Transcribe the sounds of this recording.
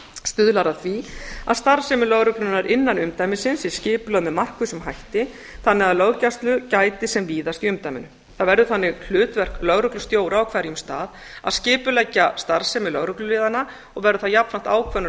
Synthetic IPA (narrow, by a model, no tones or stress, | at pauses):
st̪ʏðlaɾaθvia̰ðst̪aɾ̥sɛmɪlœɣɾʏklʏnaɾʔɪnːanʏmt̪ajmɪsɪnsiscɪːpʏlaðmɛðmar̥kvʏsʏmɦajht̪ɪ | θanːɪɣaðlœɣcast̪lʏcaːjt̪ɪsɛmviːðast̪iʏmt̪ajmɪ̰nʏ | θaðvɛɾðʏθanːɪɣl̥ʏːt̪vɛr̥klœɣɾʏklʏ̥st̪joːwɾawkʰvaːɾɪjʏmst̪a̰ːð | a̰ðscɪːpʏlɛcːast̪aɾsɛmɪlœɣɾʏklʏlɪːðanːa | ɔɣvɛɾʏθaðjapnfɾam̥t̪aːwkʰvœnʏ